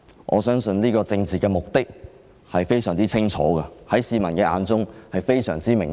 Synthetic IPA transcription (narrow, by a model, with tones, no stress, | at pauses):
ŋʔɔ̰ː˨˧sœː˥ŋsɵ˧nliː˥kɔː˧t͡sɪ˧ŋt͡siː˨˩kɛː˧mʊ˨k̚t̪ɪ˥k̚ | hɐ˨jfe˥jsœː˨˩ŋt͡siː˥t͡sʰɪ˥ŋt͡ʃʰɔ̰ː˨˥ɡɐ˧hɐ˨˥jsiː˧mɐ˨˩nkɛː˧ʔa̰ː˨˧nt͡sʊ˥ŋhɐ˨jfe˥jsœː˨˩ŋt͡siː˥mɪ˨˩ŋ